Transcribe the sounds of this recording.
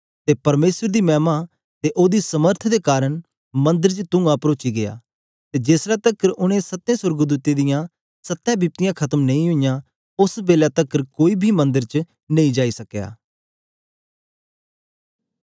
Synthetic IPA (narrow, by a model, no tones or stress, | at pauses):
t̪eːpɐɾmeːsəɾd̪iːmɛːmaː | t̪eʔoːd̪iːsəməɾt̪ʰd̪eːkaːɾəɳ̃ | mə̃nd̪əɾt͡ʃət̪ʊ̃ːãːpɾoːt͡ʃiːɡɪa̰ː | t̪eːd͡ʒeːslat̪əkəɾʊñẽsət̪ːẽːsəɾɡd̪uːt̪id̪ɪjãː | sət̪ːãːbiːp̚t̪ɪjãːkʰət̪əmnə̃ĩɦʊijãː | ʊsbeːlaːt̪əkːəɾkoːiːbʱiːmə̃nd̪əɾt͡ʃ | nẽĩːd͡ʒaːisəkja̰ː